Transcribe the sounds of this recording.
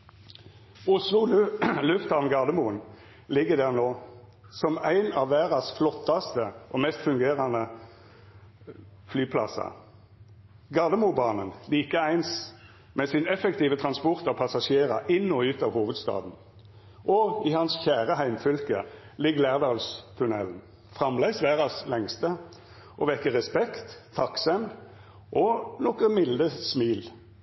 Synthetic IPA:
ʊslʊllʉft̪ɑʋnɡɑːd̪əmuən | lɪɡːəd̪æːʁnoː | sɔmæɪnɑːʋʋæːʁɑsflɔt̪ːɑst̪əʔɔːmɛst̪fʉŋɡeːʁɑnə | flyːpʰlɑ̰sɑ̰ | ɡɑːd̪əmubɑːnənliːkəæɪns | mɛsɪnɛfəkt̪iːʋət̪ʰʁɑnspɔʁt̪ɔpʰɑsɑʂeːʁɑʔɪnːɔʉːt̪ɑːʋhuːʋəd̪st̪ɑ̰ːd̪n̩ | ʔɔɪhɑnsçæːʁəhæɪmfʏlkə̰ | lɪɡlæːʁd̪ɑːlst̪ʰʉnɛln̩ | fʁɑmlæɪsʋæːʁɑslɛŋst̪ə | ʔɔʋɛkːəʁɛspɛkt̪ʰːɑksɛm | ʔɔnɔkəmɪld̪əsmiːl

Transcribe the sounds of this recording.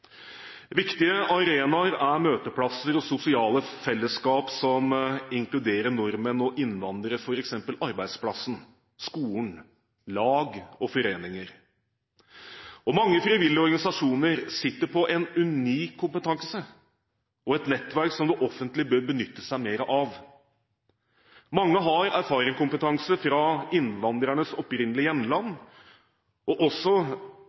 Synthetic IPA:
ʋɪkt̪ɪəʔɑɾeːnɑɾæɾmøːt̪əpʰlɑsəɾɔsʊsɪɑːləfɛlːəskɑːpsɔmɪŋklʉd̪eːɾəɳɔɾmənɔʔɪnːʋɑnd̪əɾəfɔɾɛksɛmpəlɑɾbæɪd̪splɑsən̩ | skuːən | lɑːɡɔfɔɾeːnɪŋəɾ | ɔmɑŋːəfɾɪʋɪlːɔɾɡɑnɪsɑʂuːnəɾsɪt̪ːəɾpʰɔʔɛnʉniːkʰːʊmpət̪ʰɑŋsə | ɔɛt̪nɛt̪ːʋæɾksɔmd̪ɛʔɔfːənt̪lɪbøːɾbənʏt̪ːəsæɪmeːɾəʔɑʋ | mɑŋːəɦɑɾæɾfɑːɾɪŋkʊmpət̪ʰɑŋsəfɾɑɪnʋɑnd̪ɾæɳəsɔpɾɪnːəlɪjɛmlɑnː | ɔʔɔsːɔ

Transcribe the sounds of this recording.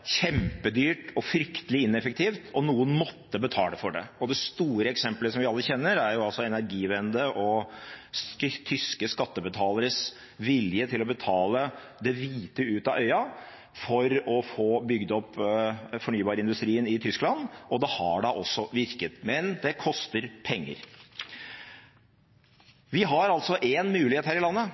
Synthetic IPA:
çɛmpəd̪yːʈɔfɾʏkt̪əlɪɪnːɛfək̚t̪ʰiːft̪ɔnuːənmɔt̪ːəbət̪ʰɑ̰ːləfɔɖɛ̰ɔd̪ɛst̪uːɾəɛksɛmpləsɔmʋɪɑlːəçɛnːəɾæɾjʊɑlsɔɛnæɾɡiːʋɛnd̪əʔɔ | t̪ʰʏskəskɑt̪ːəbət̪ʰɑːləɾəs | ʋɪljət̪ʰɪlɔbət̪ʰɑːlə | d̪ɛʋiːt̪əʉːt̪ɑʔœʏɑ | fɔɾɔfoːbʏɡd̪ɔpː | fɔɳyːbɑːɾəɪnd̪ʉst̪ɾiːənɪt̪ʰʏsklɑnɔd̪ɛhɑɖɑʔɔsːɔʋɪɾkət̪mɛnd̪ɛkʰɔst̪əɾpʰɛŋːə̰ɾ | ʋɪɦɑɾɑlt̪sɔʔenmʉːlɪheːt̪hæːɾɪlɑnːə

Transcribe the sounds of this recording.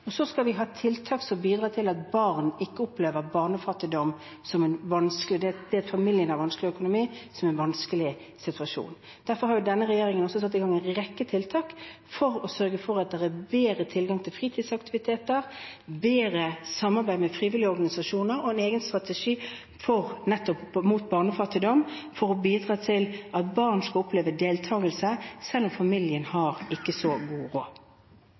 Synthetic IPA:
ɔsɔskɑlʋɪɦɑːt̪ʰɪlt̪ʰɑːksɔmbiːd̪ʁɑːt̪ʰɪlɑt̪bɑʁnɪkːəɔpleːʋəɾbɑːʁnəfɑt̪ɪd̪ɔm | sɔmɛnʋɑnsklɪd̪ɛd̪̥ɛæfɑmɪljənɑʋɑnskəlɪœkʊnʊmiːsɔmɛnʋɑnskəlɪ | sɪt̪ʉɑʃṵːn | d̪̥æɾfɔɾhɑɾjʊd̪ɛnːəʁɛjeːɾɪŋənɔsɔsɑt̪ːɪɡɑŋːɛnʁɛkːət̪ʰɪlt̪ʰɑːk | fɔɾɔsœɾɡəfɔɾɑt̪̚d̪ɛʁæbeːɾət̪ʰɪlɡɑŋt̪ʰɪlfʁiːt̪ʰiːd̪sɑkt̪ɪʋɪt̪ʰeːt̪əʁbeːɾəsɑmːɑʁbæɪmɛfʁiːʋɪlɪəɔɾɡɑnɪsɑʃuːnəɾɔɛneːɡənst̪ʁɑt̪əʂiː | fɔʁnɛt̪ːɔpmuːt̪bɑːʁnəfɑt̪ɪd̪ɔmfɔɾɔbiːd̪ʁɑːt̪ʰɪlɑt̪bɑːʁnskɑɔpleːʋəd̪eːlt̪ʰɑːɡəlsəsɛlːɔmfɑmɪljənhɑʁɪkːəsɔɡuːʁo̰ː

